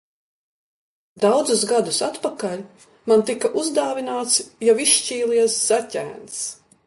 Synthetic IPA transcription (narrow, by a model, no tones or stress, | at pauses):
d̪awd̪zusɡad̪usat̪pakalʲ | mant̪ikaʔuzd̪aːvinaːt̪sjaviʃʃt͡ʃiːlˠiɛsz̥acʲæ̰ːns